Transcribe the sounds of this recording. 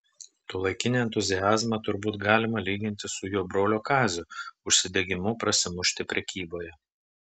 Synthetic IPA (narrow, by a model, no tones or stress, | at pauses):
t̪oːlˠɐɪkʲɪnʲeɛnt̪ʊzʲɪjæːzmɐt̪ʊɾbuːt̪ɡɑːlʲɪmɐlʲiːɡʲɪnʲt̪ʲɪsʊjoːbɾoːlʲoːkɑːzʲʊʊʃʲsʲɪd̪ʲeɡʲɪmʊpɾɐsʲɪmʊʃʲt̪ʲɪpʲɾʲɛkʲiːboːjɛ